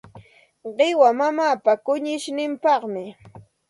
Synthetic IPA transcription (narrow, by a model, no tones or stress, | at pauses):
ɢɪwamamaːpakʊɲɪʃnɪmpɑχmɪ